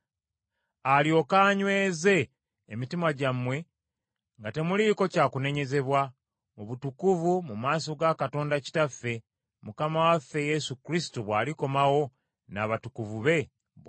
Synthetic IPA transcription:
alio̞kaːɲwe̞ːze̞ː | mitimaɟamwe̞ | ŋɡate̞muliko̞caːkune̞ɲe̞ze̞βwa | oβutukuvumumaːso̞ɡakato̞ːndaci̥tafːe̞ | mukamawafːe̞je̞sukɾisi̥tuβwaːliko̞mawo̞ | naːβatukuvuβe̞

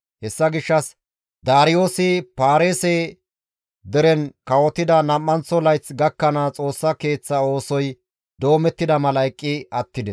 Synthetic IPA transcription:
hɛsːɐɡɪʃːɐs | d̪aːɾɪjo̞ːsɪpaːɾeːsɛ | d̪ɛɾɛnkɐwɔt̪ːɪd̪ɐnɐmːɐnt͡sːɔlɐjt͡sɡɐkːɐnɐt͡sʼo̞ːsːɐke̞ːt͡sːɐo̞ːsɔj | d̪o̞ːmɛt̪ːɪd̪ɐmɐlɐjkʼːɪɐt̪ːɪd̪ɛs

